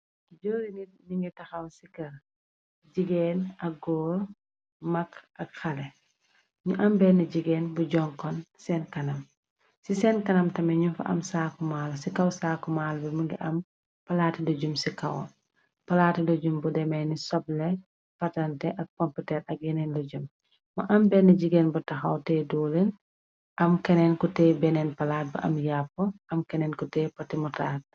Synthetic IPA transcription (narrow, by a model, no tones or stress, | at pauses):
iɟɔːɾiŋi | niŋɡɛtɐxɐwsikɐɾ | d͡ʒiɡɛːnɐk̚ɡɔːɾ | mɐkʔɐkxɐlɛ | ɲuʔɐmbɛniɟiɡɛːnbuɟɔŋkɔnsɛːnkɐnɐm | sisɛnkɐnɐmtɐmɛɲufɐ̰ʔɐ̰msaːkumaːlsikɐwsaːkumaːlbɛmuŋɡḭʔɐm | pɐlaːtidɔɟumsikɐw | pɐlaːtidɔɟumbudɛmɛjnisɔblɛ | pɐtɐntɛʔɐk̚kɔmpitɛːɾɐk̚jɛnɛnloɟum | mɐʔɐmbɛnːɐɟiɡɛnbɐtɐxɐwtɛːdɔːlen | ʔɐmkɛnɛnkɔtɛːbɛnɛnpɐlaːt̚bɐ̰ʔɐ̰mjapːɔʔɐmkɛnɛnkɔtɛːpɐtimɔtat̚